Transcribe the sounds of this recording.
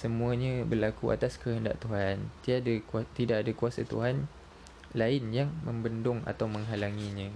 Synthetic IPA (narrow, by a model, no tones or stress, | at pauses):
səmũaɲãbərlakua̰t̪askəɦənda̰ʔt̪uɦant̪iadakt̪idaʔadakuasa̰t̪ṵɦan | laɪnjaŋmə̃mbəndʊŋa̰t̪awmə̃ŋɦalaŋiɲã